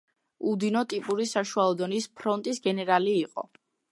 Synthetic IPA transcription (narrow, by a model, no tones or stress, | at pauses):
ud̪inɔt̪ʼipʼuɾisaʃualˠɔd̪ɔnispʰɾɔnt̪ʼisɡɛnɛɾaliːqʼɔ̰